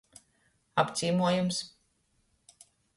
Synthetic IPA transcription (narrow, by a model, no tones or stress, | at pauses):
apt̪siːmuɔjums